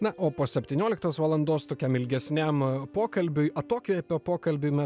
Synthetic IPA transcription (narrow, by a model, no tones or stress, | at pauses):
nɐʔoːpoːsʲɛpʲt̪ʲiːnʲoːlʲɪkt̪oːsʋɐlˠɐnd̪oːst̪oːkʲɛmɪlʲɡʲɛsʲnʲɛmpoːkɐlʲbʲʊɪʔɐt̪oːkʲʋʲɛpʲoːpoːkɐlʲbʲʊɪmʲɛ